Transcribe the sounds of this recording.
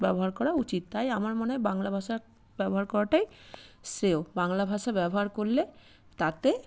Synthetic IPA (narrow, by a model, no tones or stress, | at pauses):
bɛboɦaɾkɔɾaut͡ɕit̪t̪ːajamaɾmoneabaŋlabʱaʃa | bɛboɦaɾkɔɾaʈajsɾeobaŋlabʱaʃabɛboɦaɾkoɾle | t̪at̪e